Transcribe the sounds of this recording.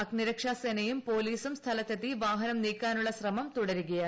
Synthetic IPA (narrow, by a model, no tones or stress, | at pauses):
ɐkniɾɐkʂaːseːnɐjumpo̞ːliːsumst̪ʰɐlɐt̪ːet̪ːiʋaːɦɐnɐmniːkʲːaːnuɭːɐɕrɐmɐmt̪uɽɐɾuɣɐjɐ